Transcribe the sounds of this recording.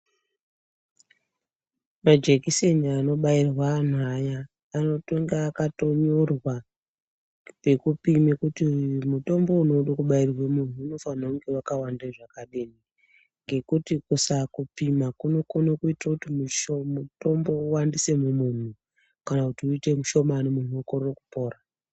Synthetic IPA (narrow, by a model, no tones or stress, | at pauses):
mad͡ʒe̞kise̞niaːno̞ɓairwaːn̤uajaː | no̞to̞ŋɡaːkato̞ɲorwa | pe̞kupimekutimuto̞mbo̞uno̞uɗakuɓairwemun̤uːno̞fanauŋɡe̞wakawandaʐakaɗeːni | ŋɡe̞kutikusakupimakunokono̞kuitrakutimuʃomuto̞mbo̞uwandise̞mumun̤u | kanakutiuite̞muʃo̞manemun̤uukororokupo̞ːra